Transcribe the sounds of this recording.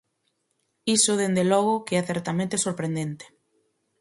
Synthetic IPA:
isʊðend̪elɔɣ̞ʊkeɛθɛɾt̪amẽnt̪esoɾpɾend̪ent̪e̥

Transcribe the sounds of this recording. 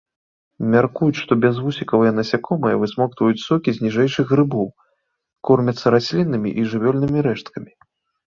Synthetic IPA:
mʲarkujut͡sʲʂt̪ɔbʲɛzvusʲikɐvɨjɐnɐsʲakɔmɨjɐvɨsmɔkt̪vɔjut͡sʲsɔkʲizʲnʲiʐɛjʂɨɣɣrɨbɔw | kɔrmʲɐt̪sːɐɾasʲlʲinːɨmʲḭʔiʐɨvʲɔlʲnɨmʲiɾɛʂt̪kɐmʲi

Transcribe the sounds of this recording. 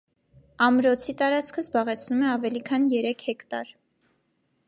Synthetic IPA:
ɑmɾɔt͡sʰit̪ɑɾɑt͡skʰəzbɑʁɛt͡sʰnumɛɑvɛlikʰɑnjɛɾɛkʰhɛkt̪ɑ̰ɾ

